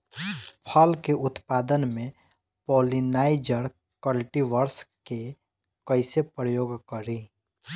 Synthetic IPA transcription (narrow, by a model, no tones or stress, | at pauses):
pʰəlkeʔʊt̪paːd̪ənmẽ | poːlinaːɪd͡ʒəɾ | kəlʈiʋəɾske | kəɪsepɾəjoːɡkəɾĩ